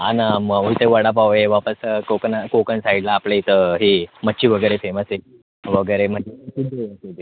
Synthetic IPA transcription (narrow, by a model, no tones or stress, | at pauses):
anaməʋujt̪eʋəɽap̬aʋeʋapəskokənakokənsaiɽlaːpleit̪əɦiməɕiːʋəɡəjɾefeməse | ʋəɡəjɾem̤əd͡ʑesud̪eəsed̪e